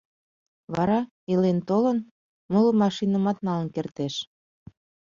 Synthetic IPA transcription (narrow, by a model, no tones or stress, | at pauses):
βɑɾɑ | ilent̪olən | mɤləmɑʃinəmɑt̪nɑlənkert̪eʃ